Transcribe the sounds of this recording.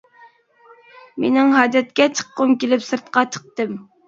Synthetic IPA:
menɪŋɦɑːd̪ɛt̪̚kʲɛt͡ʃʰə̥qːʊmkʲelɪpsɨɾt̪̚qɑt͡ʃʰə̥q̚t̪ɨm

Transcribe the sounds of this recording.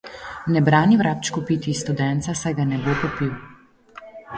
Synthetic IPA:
nɛbɾaːniwɾap̚t͡ʃkupit̪ist̪ud̪ɛnt̪sasajɡanɛbopɔpiw

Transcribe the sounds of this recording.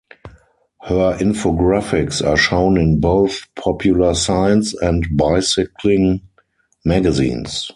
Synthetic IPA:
hɜəʔɪ̃nfoɡɹafɪksaːʃõʊ̃nɪ̃nboʊθpʰɔpʰjuləsãɪ̃nsɛ̃ntbaɪsɪkʰlɪ̃ŋ | mæɡazḭ̃ːns

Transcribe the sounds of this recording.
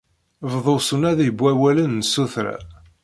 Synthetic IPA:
vðˤosənæðibʷːæwælənːsuθɾæ̰

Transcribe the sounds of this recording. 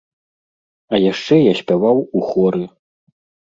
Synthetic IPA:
ɐjaʂt͡ʂɛjasʲpʲavawuxɔɾɨ

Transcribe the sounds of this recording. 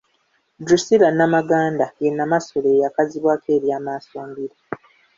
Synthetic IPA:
dusiɾanːamaɡaːndajenːamaso̞le̞jakaziβwaːke̞ːɾjaːmaːsoːmbiɾa

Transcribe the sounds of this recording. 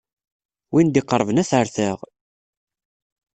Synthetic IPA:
wind̪iqːəɾˤəvənæθəɾθəʁ

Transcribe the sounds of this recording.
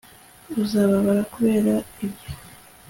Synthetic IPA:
uzaːβaβaɾakuβe̞ːɾaibjo

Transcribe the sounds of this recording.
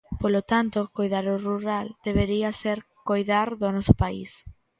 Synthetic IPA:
polot̪ant̪okojðaɾoruɾald̪̥eβeɾiaseɾkojðaɾðonɔso̥pais

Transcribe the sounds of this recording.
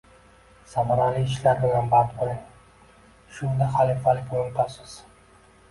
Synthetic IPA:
samaɾalɪɪʃlaɾbɪlanbant̪bolaŋ | ʃʊnd̪ahalɪfalɪkʲolɪnt̪ʰasɪz̥

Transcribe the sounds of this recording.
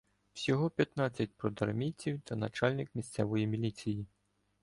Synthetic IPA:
wsʲɔɦɔpʲjɐt̪nɑt͡sʲːɐt̚ʲpɾɔd̪ɐrmʲit͡sʲiwt̪ɐnɐt͡ʃɑlʲnɪkmʲist̪sɛʋɔjimʲilʲit͡sʲiji

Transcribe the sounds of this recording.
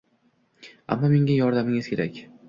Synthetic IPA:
a̰mːɒme̞ŋʲajɒɾd̪amɪŋɪzkʲʰe̞ɾakʲ

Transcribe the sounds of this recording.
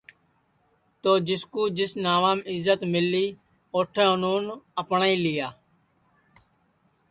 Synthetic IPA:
t̪oːd͡ʒɪskuːd͡ʒɪsnaːʋaːmɪzːət̪mɪliː | oːʈʰẽːʊnuːnəpɳaːiːlɪjaː

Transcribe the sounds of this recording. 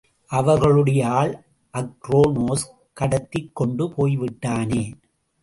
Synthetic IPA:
ʔɐʋɐɾɣɐɭɯɽɐjaːl | ʔɐkːɾoːnoːs | kɐɽɐt̪ːɪkːɔɳɖɯpʰoːjʋɪʈːaːneː

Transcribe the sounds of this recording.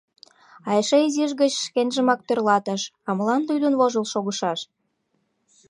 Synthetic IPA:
ɑjeʃeiziʒɣət͡ɕʃkenʲʒə̆mɑk̚t̪ørlɑt̪əʃɑməlɑnd̪ujd̪unβoʒə̆lʃoɣəʃɑʃ

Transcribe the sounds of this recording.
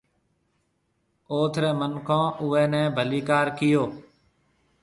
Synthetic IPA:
oːt̪ʰɾɛːmənkʰõːʔʊʋɛːnɛ̃ːbʱəliːkaːɾkɪjoː

